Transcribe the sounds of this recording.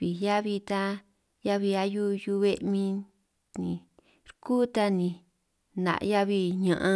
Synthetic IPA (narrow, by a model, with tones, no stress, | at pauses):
βi˨ja˦βi˧t̪a˦ | ja˦βi˧a˧ju˦ju˧βe˦mĩ˧ | nĩ˨ | ɾku˦t̪a˦nĩ˧ | nã̰˨ʔja˦βi˧ɲã˧ʔã˧